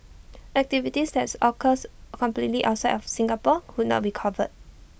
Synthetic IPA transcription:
ʔɛk̚tivitisdɛtsɔkʰəskɔ̃mplitliʔa̰ʊtsaɪdɔfsĩŋɡapɔhud̚nɔ̰t̚bikʰɔvə̰t̚

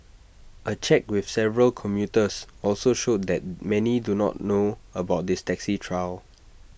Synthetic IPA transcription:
ʔət͡ʃɛkwɪfsɛvəɹəlkʰɔ̃mjutəsɔlsoʃod̚dɛt̚mɛnidunɔ̰t̚noəbaʊt̚distɛksitʰɹaɪl

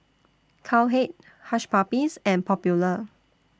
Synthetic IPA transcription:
kʰalɦet̚ | haʃpapisɛ̃npʰɔpjulə

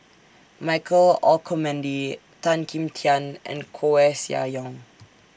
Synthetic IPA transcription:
maɪkʰəlɔkʰɔmɛ̃ndi | tãnkʰĩmtʰiãnʔɛ̰̃nkʰoɛsja̰jɔ̃ŋ

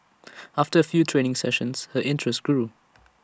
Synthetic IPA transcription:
ʔaftəəfjuːtʰɹẽːnɪ̃ŋsɛʃə̃nshəʔɪ̃ntʰɹɛst̚ɡ̥ɹuː

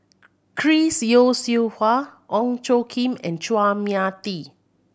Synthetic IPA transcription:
kʰɹisjosihwaʔɔ̃ŋt͡ʃokʰĩmɛ̰̃nt͡ʃwamiat̪i

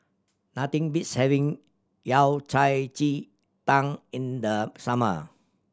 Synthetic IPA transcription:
nat̪ɪ̃ŋbitshɛvɪ̃ŋ | jawt͡ʃajt͡ʃi | t̪ãŋɪnd̪əsamə̰

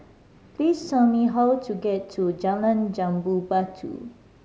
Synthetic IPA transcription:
plisːɛlmiɦawtʰuɡɛtʰːud͡ʒalãnd͡ʒãmbubatʰṵ

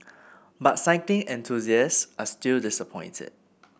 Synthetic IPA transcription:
batsaɪkɪ̃ŋɛ̃ntʰuziəsʔastildɪsəpʰɔ̃ɪ̃ntʰɛ̰d̚

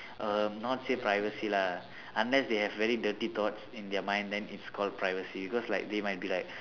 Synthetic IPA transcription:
ʔʌmnɔtsepɹajvəsila | ãnlɛsd̪eɦɛvːɛɹidətit̪ɔtsĩnd̪ɛəmãj̃ndd̪ɛ̃nitskʰɔld̚pɹajvəsibikɔslajk̚d̪emajt̚bilajk̚

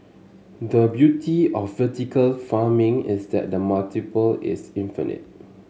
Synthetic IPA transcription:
dəbjutʰiɔfːətikəlfamɪ̃ŋɪsdɛ̰t̚dəmaltipəlɪ̰sɪ̃nfḭnɪ̰t̚

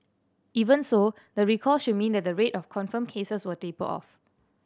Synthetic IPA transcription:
ivə̃nso | dəɹikʰɔsʃud̚mĩndɛt̚dəɹetɔfkʰɔ̃nfə̃mkʰesəswətepə̰ʔɔ̰f

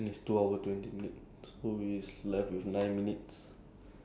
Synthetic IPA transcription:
nistuawətwɛ̃ntiminit̚ | sowislɛftwifnãj̃nminits

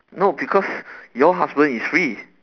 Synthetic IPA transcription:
nobikʰɔsjɔɦasbə̃nisfɹi

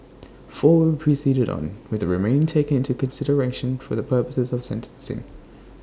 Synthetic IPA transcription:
fɔːwəd̚pʰɹ̥isiːɾəɾ̰̃n̩wɪðəɹɪmẽɪ̃ntʰeɪkə̃nɪ̃ntukʰə̃nsɪɾəɹeɪʃə̃nfəðəpʰɜːˑpəsɪzəv̥sɛ̃ntʰə̃nsɪ̰̃ŋ

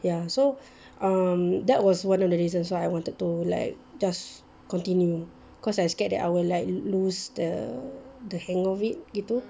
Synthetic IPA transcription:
jaso | ʔãmdɛʔ̚wɔswãnɔfdəɹizə̃nsoajwɔ̃ntəd̚tula̰ɪk̚d͡ʒas | kɔ̃ntĩnju | kɔsajskɛt̚dɛ̰ta̰jwilaɪk̚lusdə | dəhɛ̃ŋɔfit̚ɡitu

